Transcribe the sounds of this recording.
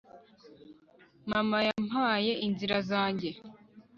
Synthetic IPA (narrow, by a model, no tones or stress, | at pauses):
mamajam̥haːje̞ʔinziɾazaːɲɟe̞